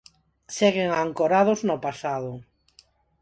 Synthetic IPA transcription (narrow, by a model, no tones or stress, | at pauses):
seɣ̞eŋaŋkoɾað̞ʊznopasaðʊ